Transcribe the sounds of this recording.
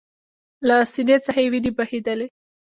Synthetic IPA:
lasinet͡səxewinibahed̪əle

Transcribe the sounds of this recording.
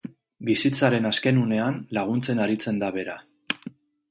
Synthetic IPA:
bisit͡saɾe̞naske̞nune̞anlaɣ̞unt͡se̞naɾit͡se̞nd̪aβe̞ɾa

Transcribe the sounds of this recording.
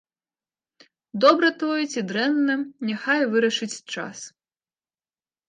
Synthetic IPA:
d̪ɔbɾɐt̪ɔjɛt͡sʲid̪ɾɛnːɐnʲaxajvɨɾɐʂɨt͡sʲt͡ʂa̰s

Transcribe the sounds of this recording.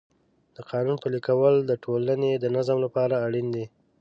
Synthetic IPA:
d̪̥əqɑnunpəlikawəld̪əʈʰolaned̪ənazəmlapɑɾaːɽind̪i

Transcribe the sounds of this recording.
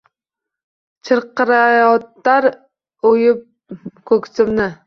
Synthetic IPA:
t͡ʃʰɨɾqɨɾajɒt̪ːaɾ | ojɪp̚ | kʰɵkʲsʰɪmnɪ

